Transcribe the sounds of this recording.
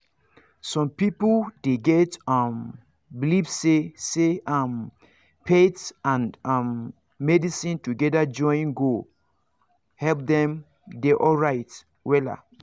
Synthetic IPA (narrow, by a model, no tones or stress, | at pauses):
sɔ̃mpipodeɡɛtam | bilibseseʔam | pʰetãnãmː | ɛdisĩntuɡɛdad͡ʒɔ̃nɡo | hɛlp̚dɛ̃m | deʔɔlɹaɪt | wɛla̰